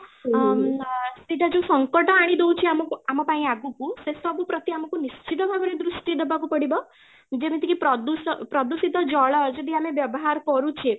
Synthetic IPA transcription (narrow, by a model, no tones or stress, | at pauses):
t̪iʈad͡ʒõsəŋkəʈɔaɽ̃id̪owũt͡ʃʰeamɔkuamɔ̃paĩaɡukũsest̪abupɾət̪iamɔ̃kũnist͡ʃʰit̪əbʱaɡɔɾed̪ɾusʈid̪əbakupəɽibɔ | d͡ʒemit̪ikipɾɔd̪uspɾɔd̪usit̪ɔd͡ʒɔɭɔd͡ʒed̪iameʋjəbɔɦaɾkɔɾũt͡ʃʰe